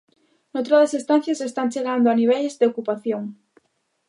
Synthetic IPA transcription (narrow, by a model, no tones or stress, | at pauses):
not̪ɾoðɐsest̪anθjasest̪ant͡ʃeɣand̪oaniβ̞ɛlzðeokupaθjoŋ